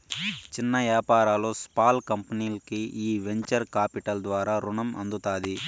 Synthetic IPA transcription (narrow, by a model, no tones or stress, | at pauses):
t͡ʃinːɐʋjaːpaːɾaːlo̞ːspaːlkɐmpɐniːlɐkiiːʋe̞ɲt͡ʃɐɾkaːpiʈɐld̪ʋaːɾaːɾuɳɐmʔɐ̰nd̪ut̪aːd̪i